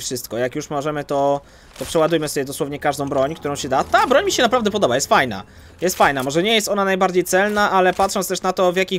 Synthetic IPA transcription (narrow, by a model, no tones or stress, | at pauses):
fʂɘst̪kɔjakjuʂmɔʐɛmɘt̪ɔ | t̪ɔpʂɛwad̪ujmɘsɔbʲɛd̪ɔswɔvɲɛkaʐd̪ɔ̃w̃bɾɔɲkt̪uɾɔ̃w̃ɕɛd̪at̪abɾɔɲmʲiɕɛnapɾavd̪ɛpɔd̪ɔbajɛst̪fajna̰ | jɛst̪fajnamɔʐɛɲɛjɛst̪ɔnanajbaɾd͡ʑejt̪sɛlnaʔalɛpat̪ʂɔntst̪ɛʂnat̪ɔvʲjakʲi